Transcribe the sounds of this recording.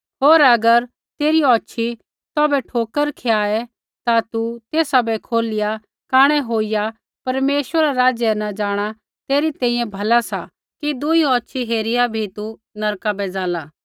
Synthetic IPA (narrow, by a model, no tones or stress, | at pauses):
ɦoːɾɐɡəɾ | t̪eːɾiɔːʃʰi | t̪ɔːbɛʈʰoːkəɾkʰeaːɛ | t̪at̪ut̪eːsabɛkʰoːlɪja | kaːɽ̃ɛɦoːija | pɐɾmeːʃʋəɾaɾaːd͡ʒjɛnɐd͡ʒaːɽ̃a | t̪eːɾit̪ɛ̃ːĩjɛ̃bʱɐlasa | kid̪uiɔːt͡ʃʰiɦeːɾɪjabʱit̪u | nɐɾkabɛd͡zaːlaː